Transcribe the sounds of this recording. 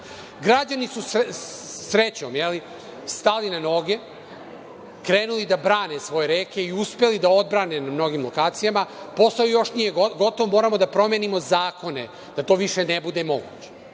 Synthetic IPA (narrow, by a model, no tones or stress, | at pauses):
ɡɾad͡ʑanisus | sɾet͡ɕo̞mjeli | st̪alinano̞ɡe̞ | kɾeːnulid̪abɾaːnesʋo̞jeɾeːke̞iuspe̞lid̪ao̞d̪bɾaːne̞namno̞ɡimlˠo̞kaːt̪sijama | po̞st̪ojijo̞ʃnijeɡo̞t̪o̞ʋomoːɾamo̞d̪apɾo̞menimo̞zaːko̞ne | d̪̥at̪o̞ʋiʃenebud̪e̞mo̞ɡut͡ɕe̥